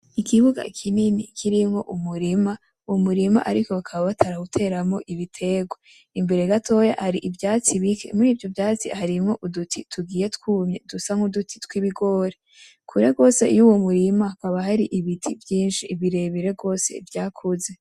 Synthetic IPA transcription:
ikʰiβuɡa̰kʰininikʰiɾimŋo̞̰ʔumuɾima | womuɾima̰ʔaɾiko̞βakʰaβaβatʰaɾaɡutʰe̞ːɾamŋo̞ʔiβitʰe̞ɡwa | imbe̞ɾe̞ɡatʰo̞jahaɾiʔivjaːt͡siβikʰḛmuɾiːvjo̞vjaːt͡sḭhaɾimŋo̞ʔudutʰitʰuɡiːje̞tkwuːmɲedusaŋudutʰi̥twiβiɡo̞ːɾe | kʰuɾeɡo̞ːse̞̰ijuwomuɾimakaβaɦaɾiʔiβitʰivjiːnʃiːβiɾe̞βiɾe̞ɡo̞ːse̞̰vjaːkʰuze̞

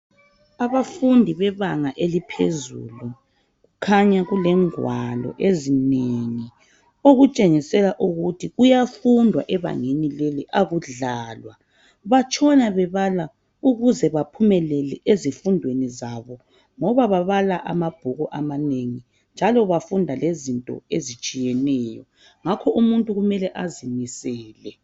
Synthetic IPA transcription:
aβafundʱiβɛβaŋaʔelipʰḛzṵlu | ɣukʰaɲaɣulɛŋwalɔ̰ʔezineŋi | oɣut͡ʃʼeŋisɛlaʔuɣutʰiɣujafundʱwa̰ʔɛβa̰ŋenileliʔaɣuɮaːlwa | βat͡ʃʼɔnaβɛβala | uɣuzɛβapʰumɛlɛlɛʔezifundʱwenizaβɔ | ŋɔβaβaβalaʔa̰mab̥ʱuɣɔʔamaneŋi | nd͡ʒʱalɔβafundʱalezintʼɔ̰ezit͡ʃʼijɛnɛːjɔ̰ | ŋakʰɔʔumuntʼuɣumɛlɛʔazimisɛːlɛ

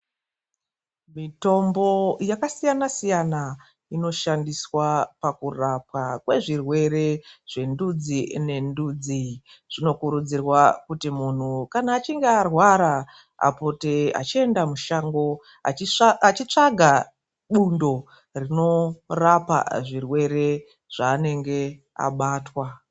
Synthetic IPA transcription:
mito̞mbo̞jakasijanasijana | ino̞ʃandiswapakurapwakwe̞ʐirwe̞ɾe̞ʐ̥e̞ndud͡zine̞ndud͡zi | ʐ̥ino̞kuɾud͡zirwakutimun̤ukanaːt͡ʃiŋɡearwaɾa | a̰po̞tea̰t͡ʃie̞ndamuʃaŋɡo̞ | at͡ʃit͡ʂaɡʱa | ɓundo̞ | rino̞rapa̰ʐirwe̞ɾe̞ | ʐ̥aːne̞ŋɡe̞ | a̰ɓaːtwa

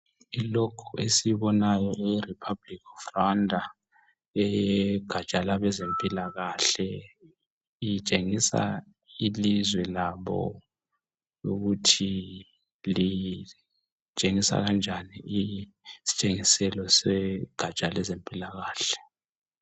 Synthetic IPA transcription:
ilɔkʰuʔesiβɔnajɔʔiripʰablikʰɔfrandʱa | ɛjɛɡ̥ʱḁt͡ʃʼalaβɛzempʼilaɣaɬɛ | it͡ʃʼeŋisa̰ | ilizwɛlaβɔ̰ | uɣutʰi | li | t͡ʃʼeŋisa̰ɣand͡ʒʱanii | si̥t͡ʃʼeŋisɛlɔsɛɡ̥ʱat͡ʃʼalɛzempʼilaɣaːɬɛ̥

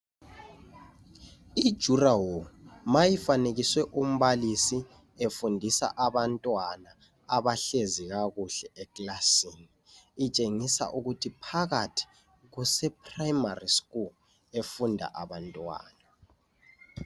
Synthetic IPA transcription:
id̥ʒ̥ʱurawomajifaneɣiswɛʔum̩βalisi | efundʱisa̰ʔaβantʼwana | aβaɬeziɣaɣuɬɛɛkʼlasiniː | t͡ʃʼeŋisa̰ʔuɣutʰipʰaɣatʰi̥ | ɣusɛp̚ʰʼrajmariskʼul | efundʱa̰ʔaβantʼwa̰ːna

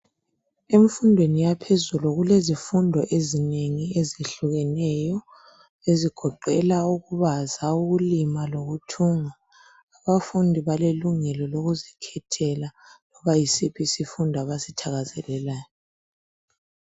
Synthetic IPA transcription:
eɱfundʱwenijapʰezuluɣulezifundʱɔʔezineŋieziɬuɣɛnɛjɔ | eziɡ̥ʱɔǃɛlauɣuβazauɣulimaloɣutʰuŋaː | βafundʱiβaleluŋɛlɔloɣuzikʰɛtʰɛla | lɔβajisipʰisifundʱaβasitʰaɣazɛlɛlaːjɔ

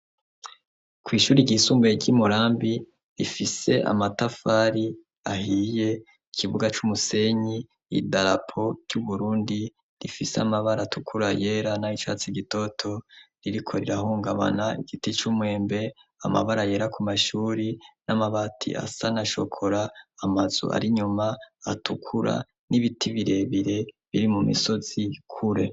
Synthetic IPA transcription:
kwiːʃuːɾiɟihisuːmbeɟimuɾaːmbi | ɾifise̞ʔa̰matafaɾi | ahije̞ | ikʰiβuɡat͡ʃumuse̞ɲi | idaɾapʰo̞ɾɟ̥uβuɾuːndi | ɾifisa̰maβaɾatukʰuɾaje̞ɾanahit͡ʃa̰ːt͡siɡito̞tʰo̞ɾiɾikʰo̞ɾiɾahuːŋɡaβa̰naḭɡ̥itit͡ʃumwe̞ːmbe̞ama̰βaɾaje̞ːɾakumaʃuːɾinamaβatʰḭʔa̰sanaʃo̞̰kʰo̞ɾaːmazṵʔa̰ɾiɲumaatʰukʰuɾa̰ | niβitʰiβiɾe̞βiɾe̞βiɾimumḭso̞z̥ikʰuɾe̞

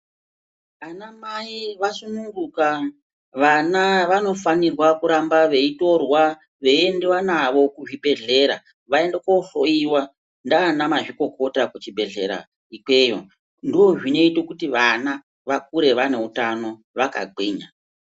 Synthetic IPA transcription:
anamaiʋasunuŋɡuka | ʋanaʋano̞fanirwakuɾambaʋe̞ito̞rwa | ʋe̞iendewanaʋo̞kuʐibʱe̞ɮe̞ɾa̰ | ʋae̞ndekoɬoiwa | ndaːnamaʐiko̞ko̞takut͡ʃibʱe̞ɮe̞̰ɾa̰ | ikwe̞jo̰ | ndiwo̞ʐine̞itokutiʋana | ʋakuɾe̞ʋane̞utano̞ | ʋaka̰ɡʱiːɲa

